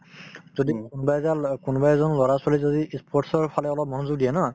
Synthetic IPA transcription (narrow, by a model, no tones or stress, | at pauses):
z̥odikunbajzalkunbajzɔnlɔɹaswalizodiispʰɔɹʈsɔɹpʰalɛɔlɔp̚mɔnʊzʊɡ̚dijɛna